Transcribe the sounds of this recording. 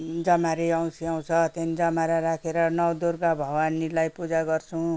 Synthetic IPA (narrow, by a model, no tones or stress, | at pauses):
d͡zʌmaɾeʌw̃siaw̃t͡sʰʌt̪enid͡zʌmaɾaɾakʰeɾʌnʌwd̪urɡabʱʌwanilajpud͡zaɡʌrt͡sʰũ